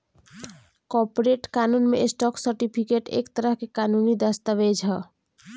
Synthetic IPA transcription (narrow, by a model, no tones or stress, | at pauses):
kɔpoɾeʈkanunmḛsʈɔksəɾʈipʰikeʈḛkt̪əɾəɦkekanunid̪əst̪əʋed͡ʒʱɦə